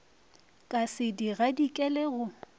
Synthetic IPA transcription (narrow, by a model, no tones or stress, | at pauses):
kʼasɪdiɣadikʼɛleɣʊ